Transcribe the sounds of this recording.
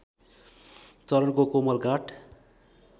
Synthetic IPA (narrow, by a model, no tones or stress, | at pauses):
t͡sʌɾʌnkokomʌlɡaʈ